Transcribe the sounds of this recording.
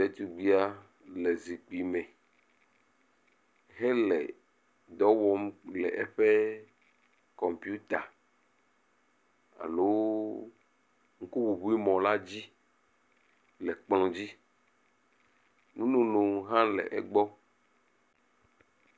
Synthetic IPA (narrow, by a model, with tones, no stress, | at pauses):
te˨t̪u˨ɡ͡bi˦a˦ | lɛ˨zi˨k͡pi˨mɛ̃˨ | ɦɛ˦lɛ̰˨ | d̪ɔ˦wɔ˦mlɛ̰˨ʔɛ˦ɸe˦ | kɔ˨mpju˦t̪a˨ | a̰˨lo˦ | ŋ̩˦ku˦wu˨bu˦i˦mɔ̃˨la˦d͡ʑi˦ | lɛ˨k͡plɔ̃˨d͡ʑi˦ | nũ˦nũ˦nũ˨ɦã˦lɛ̰˨ʔɛ̰˦ɡ͡bɔ˦